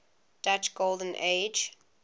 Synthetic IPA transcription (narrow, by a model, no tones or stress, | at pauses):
d̥at͡ʃɡ̥olˠdə̃n̩ʔeɪd͡ʒ